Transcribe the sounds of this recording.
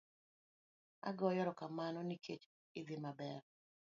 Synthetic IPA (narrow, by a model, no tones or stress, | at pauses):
a̰ɡɔjɔɾɔkamanɔnikʰet͡ʃ | ɪðimabɛɾ